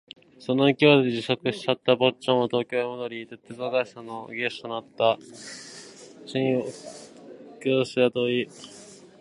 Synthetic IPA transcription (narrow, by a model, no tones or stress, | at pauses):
so̞no̞ikʲiβad̪eʑiɕo̞kɯ̟ɕi̥t͡ɕat̪ːabo̞t͡ɕõmot̪o̞ːkʲo̞ːemod̪oɾʲit̪et̪ːezoɡaisanoɡest̪onat̪ːa | ɕĩɰ̃o | kʲoːɕiat̪oi